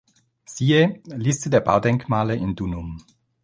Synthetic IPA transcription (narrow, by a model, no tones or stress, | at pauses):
siːelɪstədeːɐba̰ʊdɛŋkmaːləʔɪndunʊm